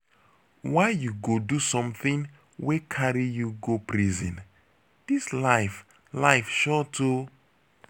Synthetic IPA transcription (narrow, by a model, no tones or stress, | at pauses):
waɪjuɡodusɔ̃mθĩŋ | wekʰaɹijuɡopʰɹizɛ̰̃n | d̥islaɪf | laɪfʃɔtu